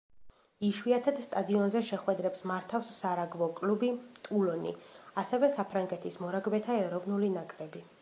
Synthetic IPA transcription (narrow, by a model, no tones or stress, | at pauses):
iʃwiat̪ʰad̪st̪ʼad̪iɔnzɛʃɛχwɛd̪ɾɛpsmaɾt̪ʰafsːaɾaɡvɔkʼlubit̪ʼulɔnḭasɛvɛsapʰɾaŋɡɛt̪ʰismɔɾaɡbɛt̪ʰaɛɾɔvnulinakʼɾɛbi